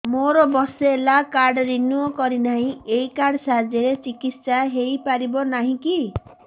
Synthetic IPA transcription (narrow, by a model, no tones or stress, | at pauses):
moɾɔbɔseːlakaɾɖɾinuokɔɾinaɦĩejkaɾɖsaɦd͡ʒeɾet͡ʃikit̪saɦejpaɾibɔnaɦĩki